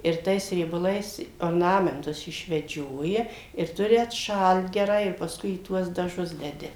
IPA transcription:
ɪr ˈtɐɪs rʲiɛbɐˈlˠɐɪs oːrˈnɑːmʲɛntʊs ɪʃʲʋʲɛˈd͡ʒʲoːjɛ ɪr ˈtʊrʲɪ ɐtˈʃɐlˠt ɡʲɛˈrɐɪ ɪr pɐsˈkʊɪ iː ˈtuɔs dɐˈʒʊs dʲɛˈdʲɪ

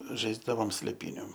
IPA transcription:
ˈʒɐɪzdɐʋoːm sʲlʲeːˈpʲiːnʲʊ

